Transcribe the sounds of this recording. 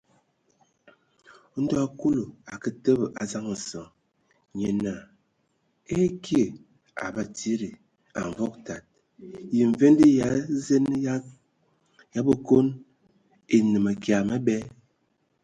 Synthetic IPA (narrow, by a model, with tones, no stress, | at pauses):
n̩˦dɔ˦ku˦lo˨a˨kə˦tə˦bə˨ʔa˨za˦ŋ˨sɔ˨ŋ | ɲe˨na˨ | e˦kʰje˨ | a̰˨ba˨ti˦ɾi˨ | a̰˨ɱ˨vɔ˦k̚ta˨t̚ | ji˨ɱ˨ve˦ndi˦ja˨˦ze˦n˦ | ja˦bə˦ko˦n | e˨nɨ˨ma˨kja˨ma˦bɛ˦